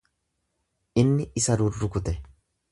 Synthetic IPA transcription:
ʔɪnːɪɪsɐɾʊrːʊkʊt̪ɛ

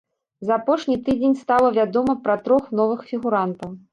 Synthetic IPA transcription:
zɐːpɔʂnʲit̪ɨd͡zʲenʲst̪alˠɐvʲad̪ɔmɐpɾɐt̪ɾɔxnɔvɨxfʲiɣuɾant̪ɐw

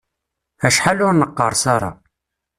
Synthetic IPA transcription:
æʃħalʊɾnəqːə̰ɾˤsɑɾˤɑ̰

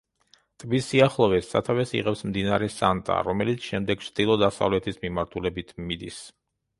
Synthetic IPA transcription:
t̪ʼbisiaχlˠɔvɛsːa̰t̪ʰavɛsḭʁɛpsmd̪inaɾɛsant̪ʼa̰ɾɔmɛlit̪sʰʃɛmd̪ɛɡ̥̚t͡ʃʰd̪̥ilˠɔd̪asa̰vlɛt̪ʰismimaɾt̪ʰulɛbit̪ʰmid̪is

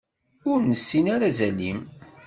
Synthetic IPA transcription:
ʊɾnəsːinaɾazælim

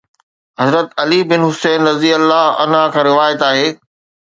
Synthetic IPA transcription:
ɦɐzɾət̪ɐlibɪnɦʊseːnɾɐziəlːaːɐ̰nɦakʰãːɾɪʋaːjət̪aːɦeː

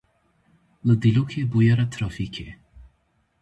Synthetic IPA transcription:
ləd̪ilukʰebujaɾat̪ʰɾɔfikʰe

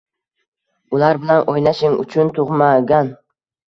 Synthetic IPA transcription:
ʊlaɾbɪlanʔojnaʃɪŋʊ̰t͡ʃʰʊnt̪ʰʊʁmaɡʲan

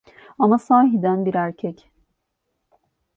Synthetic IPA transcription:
amasaːɦid̪ænbiɾæɾcʰɛc

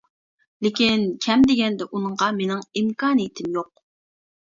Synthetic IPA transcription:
lɪkʲinkʲʰɛmd̪ɪɡʲɛnd̪ɛʔunɨɴʁɑmenɪŋimkɑːnɨjit̪ʰɪmjoq̚

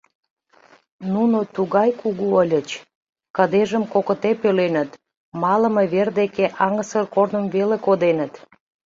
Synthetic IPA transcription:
nunot̪uɣɑjkuɣuəlʲət͡ɕ | kəd̪eʒəmkokət̪epelenət̪ | mɑlə̆meβerd̪ekeʔɑŋəsərkornəmvelekod̪enət̪

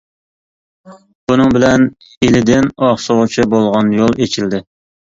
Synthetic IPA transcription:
b̥unɨŋbɪlɛn | elɪd̪ɪnɑχsoʁʊt͡ʃʰibolˠʁɑnjolˠet͡ʃʰild̪ɪ

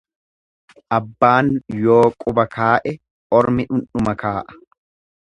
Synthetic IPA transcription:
ʔɐbːaːnjo̞ːkʼʊbɐkʰaːʔɛ | ʔɔɾmɪʔʊnːʊmɐkaːʔɐ̥

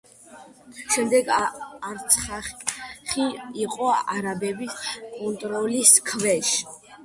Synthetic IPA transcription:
ʃɛmd̪ɛɡaɾt̪sʰχaχiiqʼɔaɾabɛbiskʼɔnt̪ʼɾɔliskʰvɛʃ

